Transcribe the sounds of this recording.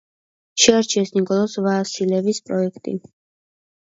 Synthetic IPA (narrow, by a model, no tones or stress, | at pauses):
ʃɛaɾt͡ʃʰiɛsnikʼɔlˠɔsvaːsilɛvispʼɾɔɛkʰt̪ʼḭ